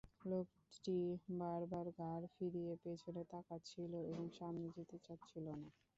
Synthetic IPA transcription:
lok | ʈibaɾbaɾɡʱaɾfiɾijepet͡ɕʰonet̪akat͡ɕʰiloeboŋʃamnid͡ʑit̪et͡ɕatːt͡ɕʰilona

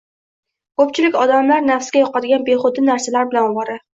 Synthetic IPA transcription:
kɵpt͡ʃʰɪlɪkʲɒd̪amlaɾnafsɡʲajɒqɑd̪ɪɡʲanbe̞χʊd̪ɪnaɾsalaɾbɪlanɒbɒɾɪ

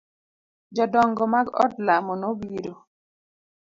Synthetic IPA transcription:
d͡ʒɔdɔŋɡɔmaɡɔ̰dlamɔnobiɾo

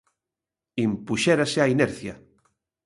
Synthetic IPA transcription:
impuʃɛɾaseainɛɾθja̰

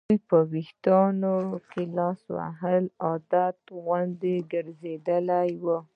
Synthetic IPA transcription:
ujpəwiht̪ɑnokelɑswa̰ɦəlɑd̪at̪ɣwand̪eɡəɾzed̪əlajwə

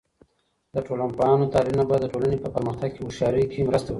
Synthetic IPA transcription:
d̪əʈolanpɑjɑnot̪ɑlilnabad̪ːəʈolanepəpəɾməxt̪aɡ̚keʊʃɑɾəjkʰemɾəst̪awəi

